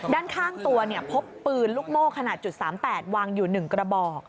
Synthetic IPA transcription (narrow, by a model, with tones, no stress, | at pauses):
daː˥˩nkʰaː˥˩ŋt̪u˧ɐni˥˩ɐpʰo˦˥pːɯː˧nluː˦˥˩k̚moː˥˩kʰːa˧naː˨˩t̪̚t͡ɕu˨˩saː˩˦mpɛː˨˩t̪̚waː˧ŋjuː˨˩nɯ˨˩ŋkɾa˧bɔː˨˩k̚